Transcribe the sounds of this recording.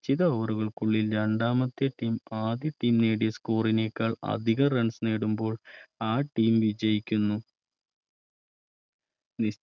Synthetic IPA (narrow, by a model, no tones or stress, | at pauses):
t͡ɕːiðɐoːruɣɐɭkuɭːilɾɐɳɖaːmɐt̪ːeʈːiːmaːd̪jɐʈːiːmneːɽijɐskuːrineːkːaːɭɐ̰d̪ʱiɣɐreɳsneːɽumbo̞ːɭaːʈːiːmʋid͡ʑɐjikʲːunːu | ni